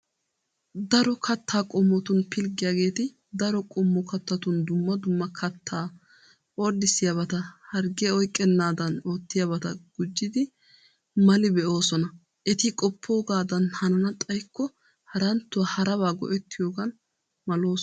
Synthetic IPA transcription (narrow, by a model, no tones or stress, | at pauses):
d̪ɐɾɔkʰɐt̪ːaːkʼɔmːɔt̪ʊnpɪlɡɪjaːɡe̞ːt̪ɪ | d̪ɐɾɔkʼɔmːɔkɐt̪ːɐt̪ʊnd̪ʊmːɐd̪ʊmːɐkʰɐt̪ʰːaː | oːd̪ːɪsɪjɐbɐt̪ɐhɐɾɡɛɔjkʼːɛnːaːd̪ɐno̞ːt̪ːɪjɐbɐt̪ɐɡ̥ʊd͡ʒːɪd̪ɪ | mɐlɪbɛʔo̞ːsɔnɐ | ʔɛt̪ɪkʼɔpʰːo̞ːɡaːd̪ɐnhɐnɐnɐt̪ʼɐjkːɔ | hɐɾɐnt̪ːʊwɐhɐɾɐβaːɡɔ̰ʔɛt̪ːɪjoːɡɐn | mɐlo̞ːs